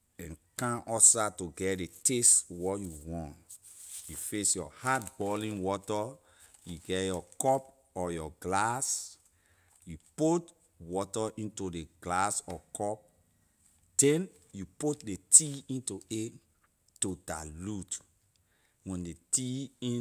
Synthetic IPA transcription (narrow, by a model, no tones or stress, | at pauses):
ɛ̃nkãʔɔsatuɡɛdeteswɔjuwɔ̃nt | jufesjɔ̰hatbɔlĩnwɔtɔ | juɡɛjɔkɔp | ɔjɔɡlas | juput | wɔtɔʔĩntudeɡlasɔkʰɔp̚ | d̥ɛ̃n | juput̚detʰiĩntue | tuda̰lut | wɛ̃ndetiĩ